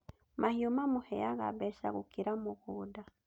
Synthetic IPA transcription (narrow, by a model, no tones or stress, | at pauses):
mʔahiomamuhɛjaɣa̰bɛʃaɣukiɾamuɣuːda